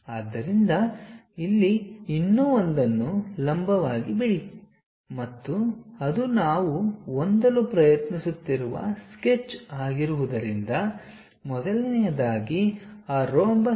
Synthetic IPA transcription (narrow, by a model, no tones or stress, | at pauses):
aːd̪ːɐɾind̪ɐilːiinːuond̪ɐnːulɐmbʱɐʋaːɡibiɽi | mɐt̪ːuɐd̪unaːʋuond̪ɐlupɾɐjɐt̪nisut̪ːiɾuʋɐ̰sket͡ʃːaːɡiɾuʋud̪ɐɾind̪ɐ | mɔd̪ɐlnɛjɐd̪aːɡiaːɾoːmbɐ